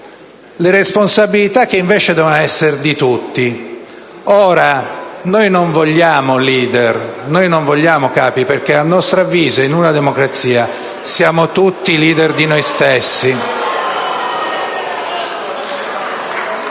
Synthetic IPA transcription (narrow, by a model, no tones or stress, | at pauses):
leɾesponsabilit̪akːeiɱvɛːt͡ʃed̪ɛvonɛsːerd̪it̪ut̪ːi | ɔːɾanojnoɱvoʎːaːmoliːd̪ernojnoɱvoʎːaːmokaːpiperk̟eanːɔst̪ɾavːiːzeinunad̪emokɾat̪siːa | sjaːmot̪ut̪ːiliːd̪erd̪inojst̪esːi